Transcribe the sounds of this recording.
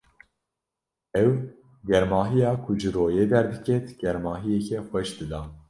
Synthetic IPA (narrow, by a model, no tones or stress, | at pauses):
ɛw | ɡɛɾmɑːɦijɑːkʰʊd͡ʒɨɾoːjeːd̪ɛɾd̪ɨkʰɛt̪ɡ̥ɛɾmɑːɦijɛkʰɛxʷɛʃd̪ɨd̪ɑː